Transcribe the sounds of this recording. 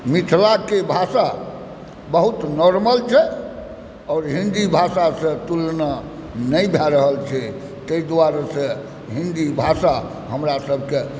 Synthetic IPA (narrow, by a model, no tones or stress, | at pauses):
mit̪ʰlakebʱasa | bəɦut̪nɔɾməlt͡ʃʰɛ | ɔːɾɦĩnd̪ibʱasasə̃t̪ulna | nəjbʱɛɾəɦəlt͡ʃʰɛ | t̪əid̪waɾesə̃ | ɦĩnd̪ibʱasa | ɦəmɾasəbʱke